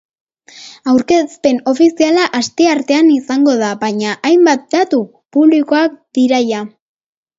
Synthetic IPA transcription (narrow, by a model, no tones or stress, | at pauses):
awɾke̞spe̞no̞fisialaʔast̪e̞aɾt̪e̞anisaŋɡo̞ð̞abaɲaʔajmbat̪̚d̪at̪u | puβliko̞ak̚d̪iɾaja